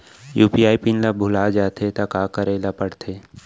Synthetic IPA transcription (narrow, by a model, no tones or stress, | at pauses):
juːpiaːipinlabʱʊlaːd͡ʒaːt̪ʰet̪akaːkəɾelapəɽt̪ʰeː